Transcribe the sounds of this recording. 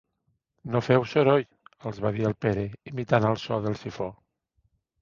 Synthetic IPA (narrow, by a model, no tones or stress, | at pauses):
nofɛwsoɾoj | əlˠzβaðiəlˠpeɾeimit̪anəlˠsɔðəlˠsifɔ